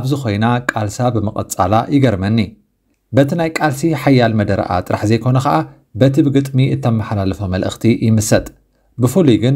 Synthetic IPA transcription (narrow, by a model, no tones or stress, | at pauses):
ʔaβzɨxo̞jnakʼalsabɨmɨkʼɐ̰t͡sʼa̰lajɪɡɐɾmɐnːi | bɐt̪ʰinajkʼalsiħajːalmɐd̪ɐɾɐ̰ʔa̰t̪ʼɨɾaħzɐjkʰo̞nɐxɐʔa | bɐt̪ʰɨbɡɨt̪ʼmiʔɨt̪ʰːɐmːɐħlalɐfɐmɐlʔɨxt̪ʰijɪmɨsɐt̪ʼ | bɨfuluɡɨn